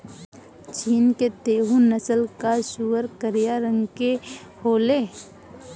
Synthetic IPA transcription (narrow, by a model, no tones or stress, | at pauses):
t͡ʃiːnket̪eːɦũnəsəlkaʃuːwəɾkəɾijaɾə̃ŋɡkehoːleː